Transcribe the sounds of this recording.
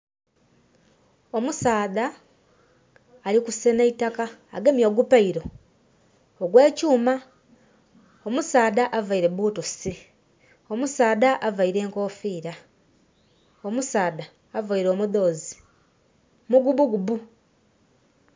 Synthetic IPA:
omusaːða | likuseneitaka̰ːɡemjo̞ːɡupaiɾo̞ | oɡwe̞ːcuːma | omusaːðaʔavaiɾeβuːtosi | omusaːdaʔavaiɾe̞ːŋko̞ːfiːɾa | omusaːðaː | vaiɾo̞ːmuðo̞ːzi̥ | muɡubuɡubu

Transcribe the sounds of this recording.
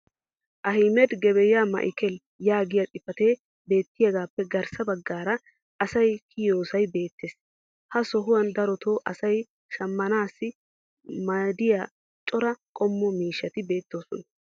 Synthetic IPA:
ʔɐhɪmɛd̪ɡɛbɛjaːmɐ̰ʔɪkɛl | jaːɡɪjat̪ʼɪfɐt̪eː | be̞ːt̪ːɪjɐɡaːpːɛɡɐɾsɐbɐɡːaːɾɐ | ʔɐsɐjkʰɪjo̞ːsɐjbe̞ːt̪ːeːs | hɐsɔɦʊwɐnd̪ɐɾɔt̪oːʔɐsɐj | ʃɐmːɐnaːsːɪ | mɐd̪ɪja | t͡ʃʼɔɾɐkʼɔmːɔmiːʃːɐt̪ɪbe̞ːt̪ːo̞ːsɔnɐ

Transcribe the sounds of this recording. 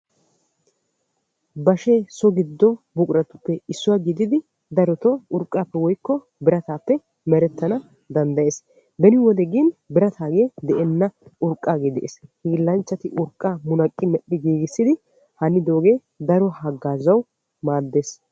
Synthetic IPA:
bɐʃeːsɔɡɪd̪ːɔbʊkʼɾɐt̪ːʊ̥pːɛɪsːʊwaːɡɪd̪ɪd̪ɪ | d̪ɐɾɔt̪ɔʊɾkʼːaːpːɛwɔjkːɔ | bɪɾɐt̪aːpːɛ | mɛɾɛt̪ːɐnɐ | d̪ɐnd̪ɐje̞ːs | bɛnɪwɔd̪ɛɡiːnbɪɾɐt̪ʰaːɡe̞ːd̪ɛʔɛnːɐʊɾkʼːaːɡe̞ːd̪ɛ̰ʔḛshiːlːɐnt͡ʃːɐt̪ɪʔʊɾkʼːaːmʊnɐkʼːɪmɛɗːɪɡiːɡɪsːɪd̪ɪ | hɐnːɪd̪o̞ːɡe̞ː | d̪ɐɾɔhɐɡːaːzɐw | maːd̪ːe̞ːs

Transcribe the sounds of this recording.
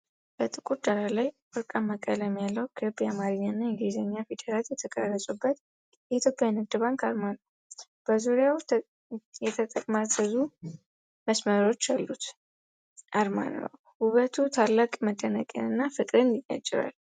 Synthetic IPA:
b̥ət̪ʼɨkʼuɾd̪aɾalajfɨɾkʼaməkʼələmːjalːəwkʰpʼjamaɾiɲːaɨnːajɛɡizəɲːafed̪əɾat̪jɛt̪ʰəkʼərːəsʼubːət̪ | jɛit̪ʰjo̞pʼjawnɨd̪ɨβaŋkʰaɾmanəw | b̥əzuɾjaw | jɛt̪ʰət̪ʼəkʼmazəzu | məsməɾo̞t͡ʃːjalːut̪ | ʔaɾma̰nə̰w | huβət̪ʰut̪ʰalːakʼməd̪ənəkʼə̰nɨnːafɨkʼɾɨnjɪjʼa̰t͡ʃʼːɪɾa̰l

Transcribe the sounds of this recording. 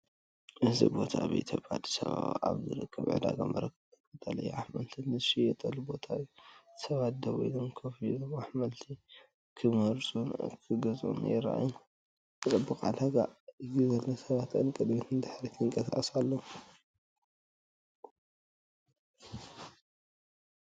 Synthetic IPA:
ʔɨzḭbo̞t̪ʰaβḭt̪ʰopːad̪i̥saβa̰βa̰βzɨ̰ɾɨ̰kʰːɐβʕɨ̰d̪a̰ɡa̰mɐ̰ɾɐkʰ | ɨt̪ʼɐlɐ̰juʔaħmɐlt̪ʰinɨzʃijɛt̪ʼɐlubo̞t̪ʰawisɐβat̪̚d̪ɐβɔjlomkʰɐfjdomaħmɐlt̪ʰi | kʰɨmɐɾsʼukʰɨɡɐzʼṵnḛɛɾʔa̰j | kɨt̪ʼɐbːɨkʼa̰d̪aɡa̰ɨzɨzɐlːɐsɐβat̪ɨnkʼɨd̪mit̪ʰɨnd̪aħɾit̪ʰɨŋkʼɐsaχʼɐsalːo

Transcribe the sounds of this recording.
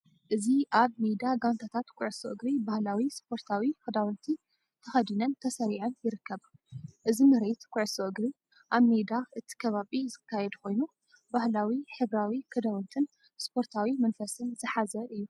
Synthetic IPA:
ʔɨziʔaβmed̪aɡant̪ʰat̪ʰat̪kʷʼʊʕsoʔɨɡɾibahlawispʰo̞ɾt̪ʰawikɨd̪awɔnt̪ʰi | t̪ʰɐxɐd̪inɐnt̪ʰɐsɐɾiʕɐnjɪɾɨkːɐβʔɨzimɨɾet̪kʼʊʕsoʔɨɡɾi | ʔaβmed̪aʔɨt̪ʰi̥kʰɐβaβizɨkʰːajɛd̪uko̞jnu | bahlawiħɨβɾawikʰɨd̪awɔnt̪ʰɨn | spʰo̞ɾt̪ʰawimɐnfɐsɨnzɨħazɐʔɨjːu

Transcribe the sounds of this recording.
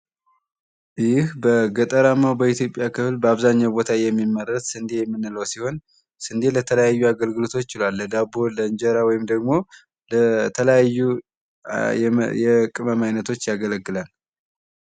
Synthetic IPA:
jɪhbəɡət̪ʼəɾamːawbəit̪ʰjo̞pʼjakʰɨflbəaβzaɲːawbo̞t̪ʰajɛmːimːərət̪sɨnd̪ejɛmːɨnːɨləwsiho̞n | sɨnd̪elət̪ʰələjajːuaɡəlɡɨlo̞t̪ʰo̞t͡ʃːɪlwalːəd̪abo̞lənɲd͡ʒəɾawɔjɪmd̪əɡmo̞ | lət̪ʰələjajːu | jɛkʼɨməmajnət̪ʰo̞t͡ʃːjaɡələɡːɨlal

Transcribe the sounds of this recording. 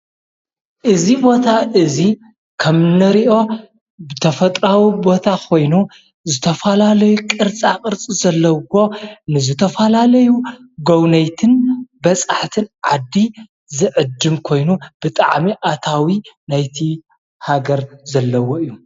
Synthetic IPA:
ʔɨzibo̞t̪ʰaʔɨzi | kʰɐmnɨɾiʔo̞ | bɨt̪ʰɐfɐt̪ʼɾawibo̞t̪ʰakʰo̞jnu | zɨt̪ʰɐfɐlalɐjukʼɨɾt͡sʼaqʼɨɾt͡sʼizɐlːɐwo̞nɨzɨt̪ʰɐfɐlalɐjuɡownɐjt̪ʰɨnbɐt͡sʼaħt̪ʰɨnʕad̪ːi | zɨʕɨd̪ːɨmkʰo̞jnub̥ɨt̪ʼaʕmiʔat̪ʰawinajt̪ʰi | haɡɐɾzɐlːɐwoɨjːu

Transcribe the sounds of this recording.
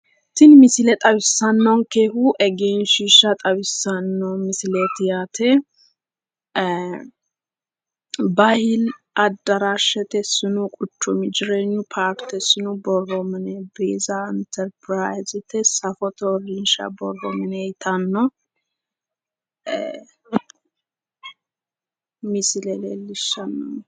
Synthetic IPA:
t̪ɪnmɪsɪlɛt̪ʼɐβɪsːɐnːɔŋkeːhuʔɛɡeːnʃiʃɐt̪ʼɐβɪsːɐnːɔmɪsɪlet̪jat̪ʰɛ | bahɪl | ɐd̪ːɐɾaʃɛt̪ɛsɪnukʼʊt͡ʃːɔmɪd͡ʒɪɾeɲːʊpʰaːɾkt̪ɛsɪnubɔromɪnebeːzaɪnt̪ʰɛɾpɾajzɪt̪ʰɛsɐfɔt̪ʰoɾinʃa̰bɔrːomɪnejɪt̪ʰɐnːɔ | mislelelːɪʃːɐnːɔ

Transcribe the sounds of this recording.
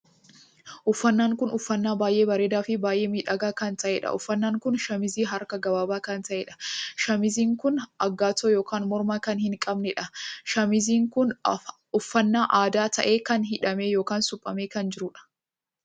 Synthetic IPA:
ʔʊfːɐnːaːŋkʊnʊfːɐnːaːbaːjʔe̞ːbɐɾeːd̪aːfɪbaːjʔeːmiːᶑɐɡaːkɐnt̪ɐʔeːᶑɐ̰ʔʊfːɐnːaːŋkʊnʃɐmɪziːɦɐɾkɐɡɐbaːbaːkɐnt̪ɐʔeːᶑɐ̥ʃɐmɪziːŋkʊnɐɡːaːt̪oːjo̞ːkaːnmɔɾmaːkɐnhɪŋkʼɐbnɛᶑɐʃɐmɪziːŋkʊn | ʊfːɐnːaːʔaːd̪aːt̪ɐ̰ʔe̞ːkɐnɦɪᶑɐmejo̞ːkaːnsʊpʼːɐmeːkɐnd͡ʒɪɾʊᶑɐ̥

